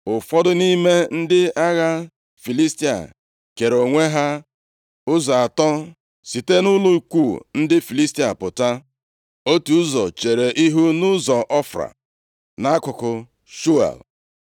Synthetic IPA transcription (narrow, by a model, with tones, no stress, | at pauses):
ʊ˨fɔ˦dʊ˦ni˦me˦n̩˦dɪ˦a˦ɣa˦ | fi˨li˦sti˦a̰˨ | ke˨ɾo˨ŋʷe˦ɦa˦ | ʊ˦zɔ˨a˨tɔ˦ | si˨te˦nʊ˦lʊ˦i˨kʷu˦˨n̩˦dɪ˦fi˨li˦sti˦a˨pʊ˨ta˦ | o˦tu˨˦zɔ˨t͡ʃe˨ɾe˨ʔi˦ɦu˦nʊ˦zɔ˨ʔɔ˦fɾa̰˨ | na˦a˦kʊ˨kʊ˨ | ʃu˦a̰˨l